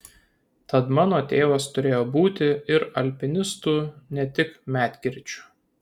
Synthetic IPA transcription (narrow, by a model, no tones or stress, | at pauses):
t̪ɐt̪mɑːnoːt̪ʲeːʋɐst̪ʊɾʲeːjoːbuːt̪ʲɪɪɾɐlʲpʲɪnʲɪst̪uːnʲɛt̪ʲɪkmʲæːt̪ʲɡʲɪɾʲˑt͡ʃʲʊ̥